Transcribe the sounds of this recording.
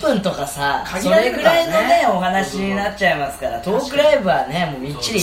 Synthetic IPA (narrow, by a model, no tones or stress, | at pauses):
pɯ̟̃nt̪o̞kasasoaeɡɯ̟ɾainone̞o̞ɦanaɕiɲ̟inatt͡ɕaimasɨ̥kaɾa̰t̪o̞ːkɯ̟ɾeːbɯ̟βanemoːmʲit͡ɕːiɾʲi